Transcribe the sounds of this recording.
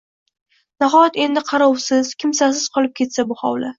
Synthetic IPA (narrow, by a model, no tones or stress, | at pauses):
naɦɒjat̪e̞nd̪ɪqʰɑɾɒwsɪz̥kʲʰɪmsas̬ɪz̥qʰɒlˠɪp̚kʲʰe̞t̪sabʊhɒ̰wla